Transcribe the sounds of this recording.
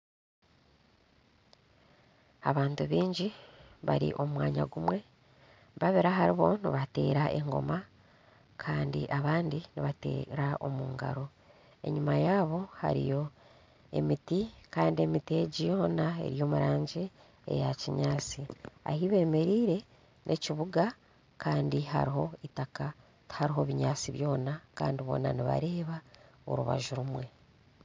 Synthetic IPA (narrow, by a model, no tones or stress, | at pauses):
aβaːntuβiːɲɟiβa̰ɾḭʔo̞mwa̰ːɲa̰ɡumwe̞ | βaβeɾaɦaɾiβo̞niβate̞̰ːɾaʔe̞ŋɡo̞̰ma | kʰaːndḭʔaβaːndiniβatḛːɾaʔo̞̰muːŋɡa̰ɾo̞ | e̞̰ɲumajaːβo̞ha̰ɾḭjo̞ | e̞̰mitikaːndie̞mitie̞ɟijo̞ːnae̞̰ɾjo̞ːmuɾaːɲɟi | ḛjaciɲaːt͡sia̰hiβe̞ːme̞ɾiːɾe̞ | nʔe̞ciβuɡa | kʰaːndiɦa̰ɾiɦo̞itakḁ | haɾiɦo̞βiɲaːt͡siβjo̞ːnaka̰ːndiβo̞̰ːnaniβa̰ɾe̞ːβao̰ɾṵβa̰ʒuɾumwe̞